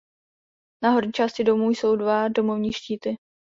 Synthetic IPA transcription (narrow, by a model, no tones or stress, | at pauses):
naɦo̞ɾɲit͡ʃaːscɪdo̞muːjso̞wdvado̞movɲiːʃciːt̪ɪ